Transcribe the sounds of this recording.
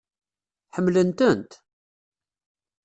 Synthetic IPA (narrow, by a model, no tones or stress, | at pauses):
ħəmːlənt̪ənt̪